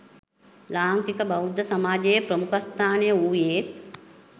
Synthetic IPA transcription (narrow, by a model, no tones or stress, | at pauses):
laːŋkikəbɐwud̪ʱːəsɐmaːd͡ʒejəpɾəmukəst̪ʰaːnejəuːjeːt̪